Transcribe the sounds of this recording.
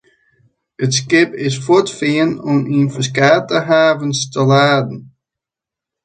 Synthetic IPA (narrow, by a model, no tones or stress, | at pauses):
ətskɪpɪsfɔtfɪənɔminfəskaːtəɦaːvənstəlaːdn̩